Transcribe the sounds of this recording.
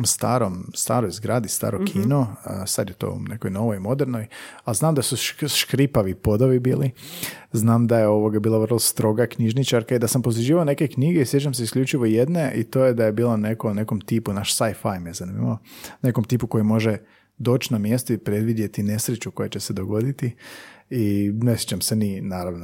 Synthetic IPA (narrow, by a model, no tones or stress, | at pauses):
mst̪a̰ːɾomst̪aːɾojzɡɾaːd̪ist̪a̰ːɾokʰiːnosad̪jet̪o̞̰ṵnḛkojno̞ʋo̞jmo̞d̪eɾno̞jalznaːmd̪asuʃʃkɾipaʋipo̞d̪oʋibiːliznaːmd̪ajeo̞ʋoɡabiːlˠaʋərlˠost̪ɾo̞ɡakɲiʒnit͡ʃaɾkaid̪asampoziʒiːʋaone̞kekɲiɡeisʋjet͡ʃamseisklʎʲut͡ʃiʋo̞ijed̪ne̞ʔit̪o̞ːjed̪aje̞biːlˠane̞kone̞ko̞mt̪iːpunaʃsajfajmezanimaone̞komt̪iːpuko̞jimo̞ʒe | d̪o̞ːt͡ɕnamje̞st̪oipɾe̞d̪ʋid̪je̞t̪ine̞sɾet͡ʃuko̞jat͡ɕe̞sed̪o̞ɡo̞d̪it̪iinesjet͡ʃamseninaːɾaʋno